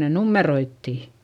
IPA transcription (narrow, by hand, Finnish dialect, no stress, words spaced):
ne numːeroitːiˑ